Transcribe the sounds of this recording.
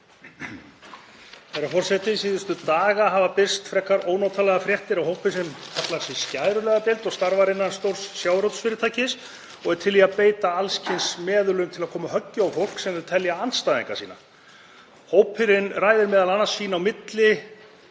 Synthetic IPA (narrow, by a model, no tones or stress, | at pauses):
θɛjɾafɔr̥sɛht̪ɪsiːðʏst̪ʏt̪aːɣaɦavapɪ̥st̪fɾɛkːaɾoːwnaːwt̪ʰalɛɣafɾjɛht̪ɪɾawhowpɪsɛmkʰaplaɾsɪscaːjɾʏlɛɣapɪlt̪ɔɣst̪aɾvaɾɪnːanst̪owr̥ssjaːwɾowt̪sfɪːɾɪt̪ʰaːjcɪs | ɔɣɛɾt̪ʰɪlviapeːjt̪aalscʰɪnsmɛːðʏlʏmt̪ʰɪlaðkʰɔːmahœcːʏawfowl̥ksɛmʏt̪ʰɛljaanst̪aːðḭŋka̰̥siːna̰ | hoːwpʰɪɾɪnrajðɪɾmɛːðalanːasːiːnaːwmɪt̪lɪ